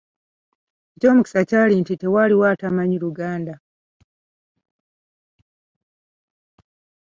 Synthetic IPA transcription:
eco̞ːmuki̥sacaːlintite̞waliwaːtamaɲiɾuɡaːnda

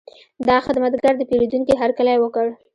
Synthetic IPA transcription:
d̪ɑxɪd̪mat̪ɡaɾd̪əpeɾed̪uŋkiɦaɾkalajwəkəɽ

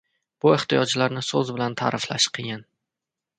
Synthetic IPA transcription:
b̥ʊɪht̪ijɒd͡ʒlaɾnɪsɵzbɪlant̪ʰa̰ɾʔɪfla̰ʃqʰɨɡʲan

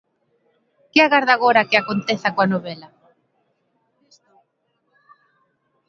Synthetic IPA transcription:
kɪaɣaɾðaɣoɾakɪakont̪eθakoanoβelɐ

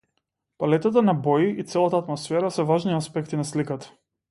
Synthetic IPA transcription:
palɛt̪at̪̬anabɔjiit̪sɛlˠat̪aːt̪mɔsfɛɾasɛvaʒniaspɛkt̪inaslikat̪ḁ

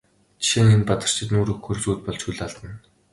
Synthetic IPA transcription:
t͡ɕʰʃĭŋenpat̪ə̆r̥t͡ɕʰɪ̆t̪nuːɾɵxɵ̆rt͡suːt̪̚pɔɮt͡ɕʰxuɮaɮt̪ə̆n

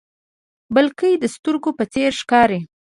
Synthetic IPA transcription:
bəlkəjd̪əst̪uɾɡopət͡seɾʂkɑɾe

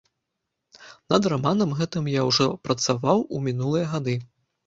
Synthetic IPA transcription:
nɐd̪ramanɐmɣɛt̪ɨmjawʐɔpɾɐt̪savawumʲinulˠɨjɐɣad̪ɨ

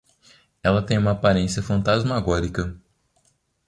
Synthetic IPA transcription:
ɛlɐt̪ẽj̃ũmɐaːpaɾẽsiɐfɐ̃nt̪azmaɡɔɾikɐ

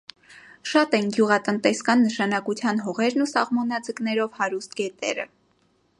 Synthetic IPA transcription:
ʃɑt̪ɛnɡjuʁɑt̪ənt̪ɛskɑnːəʃɑnɑkut͡sʰjɑnɦɔʁɛɾnusɑʁmɔnɑd͡zəknɛɾɔvhɑɾust̪̚kɛt̪ɛ̰ɾə̰

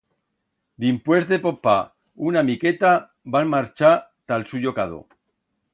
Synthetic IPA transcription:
d̪impwe̞zd̪epopːa | unamiket̪a | balmaɾt͡ʃat̪alsuʝokaðo̰

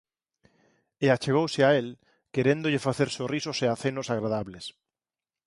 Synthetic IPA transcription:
eat͡ʃeɣ̞owsɪael | keɾend̪ʊʎɪfaθeɾsorisoseaθenosaɣɾaðaβlɪs

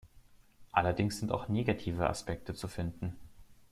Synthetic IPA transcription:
ʔalɐdɪŋsz̥ɪnta̰ʊxneːɡatʰiːvəʔa̰spɛk̚tət͡sufɪndn̩

